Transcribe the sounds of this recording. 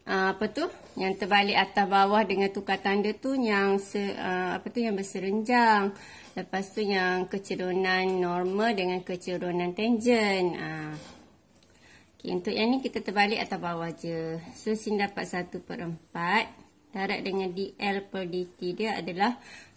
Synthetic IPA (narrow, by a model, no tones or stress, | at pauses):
ʔəmapat̪u | jaŋt̪ərbalɪkat̪asbawahdəŋant̪ukat̪andət̪ujaŋsəʔəa̰pat̪ujaŋbəsəɾəɲd͡ʒaŋ | ləpast̪ujaŋkət͡ʃəɾonanːɔrmaldəŋankət͡ʃəɾunãnt̪ɛɲd͡ʒənəm | okeṵnt̪ʊʔjaŋnikit̪at̪ərbalɪkat̪abawahd͡ʒəsosindapat̪̚sat̪upəɾəmpat̪̚ | d̥aɾaʔ̚dəŋandiʔɛlpəldit̪idəa̰dalah